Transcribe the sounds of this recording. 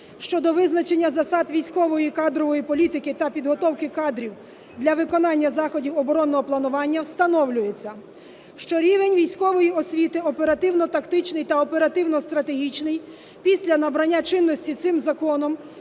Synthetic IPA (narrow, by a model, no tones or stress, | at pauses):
ʃt͡ʃɔd̪ɔʋɪznɐt͡ʃe̞nʲːɐzɐsɑd̪ʋʲijsʲkɔʋɔjikɑd̪ɾɔʋɔjipɔlʲit̪ɪkɪt̪ɐpʲid̪ɦɔt̪ɔwkɪkɑd̪ɾʲiw | d̪lʲɐʋɪkɔnɑnʲːɐzɑxɔdʲiwɔbɔɾɔnːɔɦɔplˠɐnʊʋɑnʲːɐwst̪ɐnɔwlʲʊjet͡sʲːɐ | ʃt͡ʃɔɾʲiʋenʲʋʲijsʲkɔʋɔjiɔsʲʋʲit̪ɪɔpe̞ɾɐt̪ɪwnɔt̪ɐkt̪ɪt͡ʃnɪjt̪ɐɔpe̞ɾɐt̪ɪwnɔst̪ɾɐt̪eɦʲit͡ʃnɪj | pʲisʲlʲɐnɐbɾɐnʲːat͡ʃɪnːɔsʲtʲit̪sɪmzɐkɔnɔm